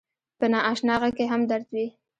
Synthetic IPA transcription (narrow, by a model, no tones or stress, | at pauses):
pənɑɑʃnɑɣakeɦamd̪aɾzwi